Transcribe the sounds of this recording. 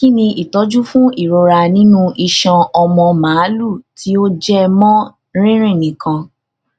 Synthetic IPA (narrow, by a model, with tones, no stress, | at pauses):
ki˦nĩ˧ʔi˨tɔ˨˦d͡ʒu˦fũ˦i˦˨ɾo˧ɾa˧nĩ˦nũ˦ʔi˧ʃã˧ɔ˧mɔ̃˧mãː˨˦lu˦˨tʰi˨˦o˦d͡ʒɛ˦mɔ̃˦ | ɾ̃ĩ˦ɾ̃ĩ˦˨nĩ˨kã˧